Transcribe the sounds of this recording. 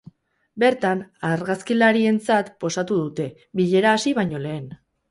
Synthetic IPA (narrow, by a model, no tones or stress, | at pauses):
be̞ɾt̪anaɾɣaskilaɾie̞nt͡sat̪po̞sat̪uðut̪e̞ | βiʎe̞ɾaːsiβaɲo̞le̞ːn